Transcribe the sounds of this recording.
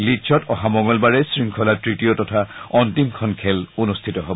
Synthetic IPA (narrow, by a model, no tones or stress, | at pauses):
lit͡ʃʰɔtɔɦamɔŋɔlbaɹɛsɹiŋkʰɔlatɹitiotɔtʰaɔntimkʰɔnkʰɛlunustʰitɔɦɔb